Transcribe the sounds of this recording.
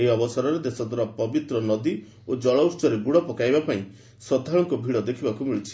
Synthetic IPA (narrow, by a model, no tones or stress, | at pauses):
eiɔbɔsaɾɔɾed̪esɔd̪ʱwaɾapɔbit̪ɾɔnɔd̪i | od͡ʒɔɭɔust͡ʃɔɾeɡuɽɔpɔkajbapaĩ | sɔd̪ʱaɭɔŋkɔbʱiɭɔd̪ekʰibakumiɭit͡ʃʰi̥